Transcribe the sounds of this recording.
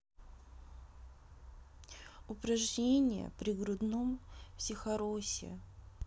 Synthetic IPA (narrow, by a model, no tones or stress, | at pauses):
ʊpɾɐʐnʲenʲɪjə̰pɾʲɪɡɾʊd̪nomfsʲɪxɐɾosʲɪ̰